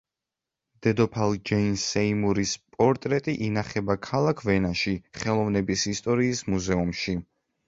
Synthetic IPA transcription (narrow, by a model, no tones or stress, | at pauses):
d̪̥ɛd̪ɔpʰalˠd͡ʒɛinsɛimuɾispʼɔɾt̪ʼɾɛt̪ʼiʔinaχɛbakʰalˠakʰvɛnaʃiχɛlˠɔvnɛbisist̪ʼɔɾiːsmuzɛumʃi